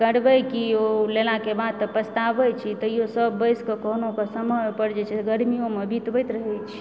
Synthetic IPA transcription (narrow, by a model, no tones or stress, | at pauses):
kəɽbəjkiolelakebad̪̚t̪ːpəst̪abəjt͡ʃʰit̪əjosəbːəjskekəɦnokesəməjpəɽd͡ʒet͡ʃʰɛɡəɾmijomebʱit̪bəjt̪ɾəɦɛjt͡ʃʰi̥